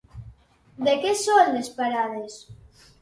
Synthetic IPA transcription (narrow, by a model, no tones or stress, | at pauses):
d̪ekesond̪espaɾaðes